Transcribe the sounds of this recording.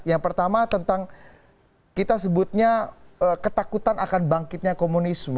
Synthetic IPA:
jaŋpərt̪amat̪ənt̪aŋ | kit̪as̬əbʊt̪̚ɲaəkət̪akut̪anakanbaŋkɪt̪̚ɲakomunismə

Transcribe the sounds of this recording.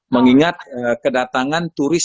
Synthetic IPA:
məŋiŋat̪̚əkədat̪aŋant̪uɾɪs

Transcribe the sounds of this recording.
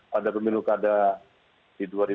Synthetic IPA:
padapəminukada | d̥iduaɾi

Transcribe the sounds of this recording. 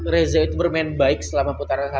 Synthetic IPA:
ɾezait̪ubərmɛnbaɪk̚səlamaput̪aɾanɦa

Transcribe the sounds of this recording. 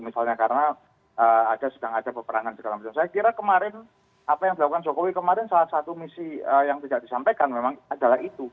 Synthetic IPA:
misalɲakaɾəna | əadasədaŋadapəpəɾaŋansəɡalabət͡ʃamsajakiɾakəmaɾɪn | apajaŋdilakukand͡ʒokowikəmaɾɪnsalahsat̪umisiəjaŋt̪idaʔdisampajkanmemaŋadalaɦit̪u

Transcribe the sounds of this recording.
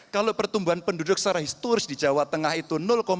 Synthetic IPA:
kalopərt̪umbuɦanpəndudʊk̚saɾaɦist̪uɾɪsdid͡ʒawat̪əŋahit̪unʊlkom

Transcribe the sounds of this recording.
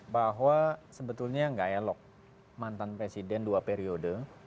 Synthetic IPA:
baɦwasəbət̪ulɲaŋɡajalɔk̚ | mant̪anpɾesidɛnduapeɾiodə

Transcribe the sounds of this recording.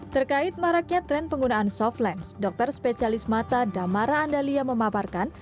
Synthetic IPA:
t̪ərkaɪt̪̚maɾatk̚ɲat̪ɾɛnpəŋɡunaʔansɔflɛnsdɔk̚t̪ərspesialɪsmat̪adamaɾaːndaliaməmaparkan

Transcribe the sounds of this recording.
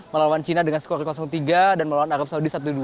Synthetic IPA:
məlawant͡ʃinadəŋansə̥koɾikɔsɔŋt̪iɡadanməlawanaɾəp̚saudisat̪̬udu

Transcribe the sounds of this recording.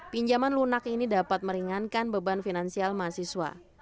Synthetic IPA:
piɲd͡ʒamanlunakinidapat̪̚məɾiŋankanbəbanfinansialmasiswa̰

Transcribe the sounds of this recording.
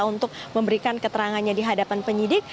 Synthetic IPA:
unt̪ʊk̚məmbəɾikankət̪əɾaŋanɲadiɦadapanpəɲidɪk̚

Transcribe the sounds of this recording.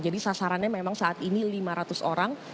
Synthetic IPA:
d͡ʒadisasaɾanɲamemaŋsaʔat̪inilimaɾat̪ʊsoɾaŋ

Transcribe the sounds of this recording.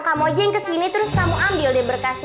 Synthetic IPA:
kamod͡ʒɛŋkəsinit̪əɾʊskamuʔambɪldɛbərkasɪ

